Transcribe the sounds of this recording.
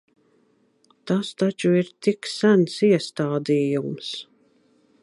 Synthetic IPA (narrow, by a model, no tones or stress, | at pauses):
t̪ast̪at͡ʃuiɾt̪iksænsiɛst̪aːd̪iːjums